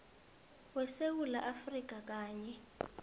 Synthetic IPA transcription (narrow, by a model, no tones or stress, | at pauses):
wɛsewulaʔafrik̬ʼak̬ʼaːɲɛ